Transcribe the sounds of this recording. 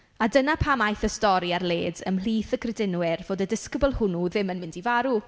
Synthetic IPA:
adənapʰaːmajθəstɔɾiarleːdəmliːθəɡrɛdɪnwɛrv̥oːdədɪskəbʊlˠhʊnuðɪmənmɪ̃ndivaɾu

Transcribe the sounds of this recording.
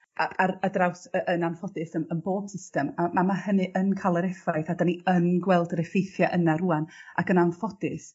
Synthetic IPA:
aaradrawsəʔənanfɔdɨsənənboːb̥sɪstɛmamamahənɨʔənkʰalˠəɾɛfajθadaniənɡwɛlˠdəɾɛfejθjaʔənaɾuana̰ɡənanfɔdɨs

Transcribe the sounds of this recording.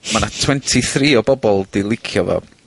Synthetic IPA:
manatʰwɛntʰiθriːɔbɔbɔlˠdɪlˠɪkʰjɔvɔ̰

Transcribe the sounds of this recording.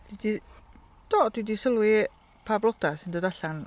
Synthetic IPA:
d̥widi | d̥ɔd̥widisəlˠwi | pʰablˠɔd̥asɪndoːdaɬan

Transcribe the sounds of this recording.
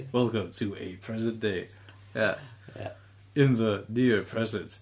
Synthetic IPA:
wɛlˠkɨ̃mtʰɨɨpʰɹ̥ɛzɨ̃nd̥eɪ | jæ̰ | ɪ̃nðənɪɹpʰɹ̥ɛzɨ̃ns

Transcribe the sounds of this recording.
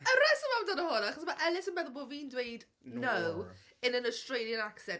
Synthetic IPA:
əɾɛsəmandɔnəhʊnaχɔsmaʔɛlˠɪsənbɛðɔlˠboːviːndwejd | nəw | ɨnənɔstrejlˠjənaksɛn

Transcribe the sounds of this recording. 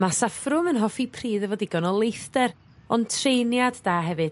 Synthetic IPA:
masafrʊmənɦɔfipʰriːðəvɔdiɡɔnɔlˠejθdɛɾ | ɔntʰrejnjadːaːɦɛvɨd̥

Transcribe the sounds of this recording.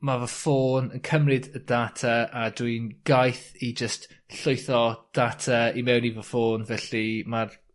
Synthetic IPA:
mavəfoːnənkʰəmrɪdədatʰaadwinɡ̥ajθid͡ʒəstɬoɨθɔd̥atʰaimɛwnivəfoːnvɛɬimar

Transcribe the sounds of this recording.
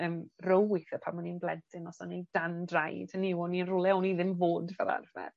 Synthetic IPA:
əːmrowɪθəpʰamaninblˠɛdɪnɔsɔnejd̥andrajd̥aniwɔninrʊlˠɛawniðɪmvoːdvɛ̰ɾa̰rvɛ̰r

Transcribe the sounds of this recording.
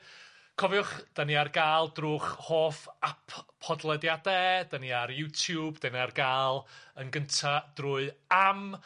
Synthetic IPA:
kʰɔvjʊχd̥aniarɡaːlˠdruːχhoːfapʰɔdlˠɛdjadɛdəniaɾjutʰjuːbd̥ɛniarɡaːlˠənɡəntʰad̥rʊːɨam

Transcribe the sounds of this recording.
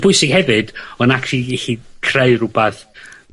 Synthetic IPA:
b̥ʊɨsɪɡ̥hɛvɨd̥ɔnakʰrihikʰreɨrʊbaθ

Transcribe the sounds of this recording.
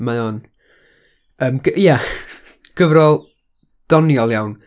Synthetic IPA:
majɔːn | əːmɡ̥əʔja | ɡ̥əvɾɔlˠ | d̥ɔnjɔlˠjawn

